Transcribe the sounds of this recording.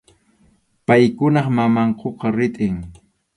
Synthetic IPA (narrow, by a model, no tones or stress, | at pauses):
pajkʊnɑχmamɑɴqʰoqɑɾɪt̪ʼɪŋ